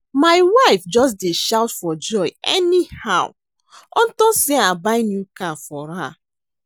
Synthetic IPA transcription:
maɪwaɪfd͡ʒɔs̬deʃawtfɔd͡ʒɔɪɛ̰nihaw | ɔ̰̃n̩tɔ̃seabaɪnjukãfɔɾa

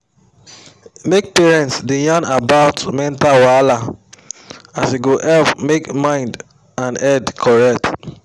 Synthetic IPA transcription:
mek̚pɛɹɛ̃ntsdẽjanabaʊtmɛ̃ntalwala | aseɡoʔɛlpmekmãɪ̃nd | ãnɛdkʰɔɹɛkt

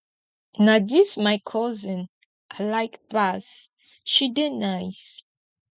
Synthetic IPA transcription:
nadismajkʰɔzə̃n | ʔalajkbas | ʃidɛnajs

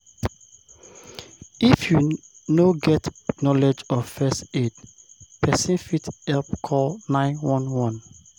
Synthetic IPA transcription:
ifju | noɡɛtnɔlɛd͡ʒɔfɛstedpʰɛsĩnfithɛlpkʰɔlnãɪ̃nwɔ̃nwɔ̃n

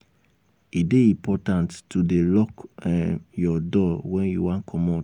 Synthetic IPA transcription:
ideĩpʰɔtãnttudelɔk | jɔdɔwɛ̃njuwãnkʰɔmɔ̃

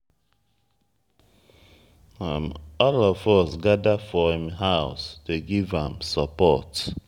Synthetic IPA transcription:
amɔlɔfɔsɡadafɔĩmɦaʊsteɡivãmsəpɔt

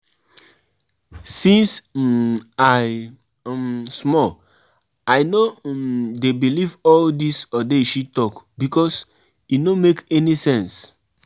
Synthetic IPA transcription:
sĩns | aj | smɔ | ajnodebilivɔldisɔdeʃitɔkbikɔs | inomekɛnisɛ̃ns

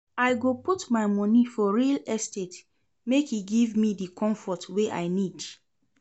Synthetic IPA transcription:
aɪɡoputmaɪmɔ̃nifɔɹilɛstet | mekhiɡivmidikʰɔ̃ɱfɔtweʔa̰ɪnid

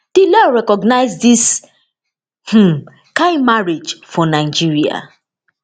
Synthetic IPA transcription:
d̥ilɔɹɛkɔɡnaɪzdis | h̩ | kãɪ̃maɹed͡ʒfɔnaɪd͡ʒiɹia̰

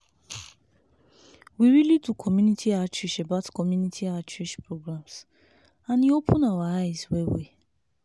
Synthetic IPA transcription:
wiɾilitukʰɔmjunitʰiat͡ʃɹiʃebatkɔmjunitʰiat͡ʃɹiʃpɹoɡɾams | ãniopʰʊ̃nawaaɪswewḛ

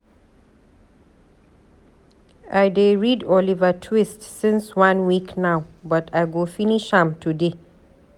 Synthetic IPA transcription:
ʔajdeɹidɔlivatʰwistsɪ̃nswãnwiknawbatʰajɡofiniʃhãmtʰude

